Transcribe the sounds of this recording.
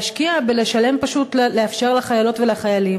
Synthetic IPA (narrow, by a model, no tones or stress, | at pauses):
ʃkiabele̞ʃale̞mpaʃutlleafʃe̞ʁlaχajalo̞tvelaχajalim